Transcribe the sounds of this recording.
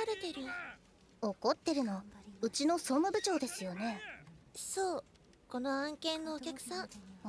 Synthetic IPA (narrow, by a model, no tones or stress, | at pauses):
aɾet̪e̞ɾɯ̟o | oko̞t̪ːe̞ɾɯ̟no̞ɯ̟t͡ɕino̞so̞mɯbɯ̟t͡ɕo̞ːd̪e̞sɨjo̞ne̞ | soː | ko̞no̞ãŋkẽnːo̞ːkʲakɯ̟̥sãŋ